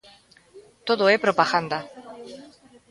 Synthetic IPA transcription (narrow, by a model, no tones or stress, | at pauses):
t̪oðoepɾopaɣand̪a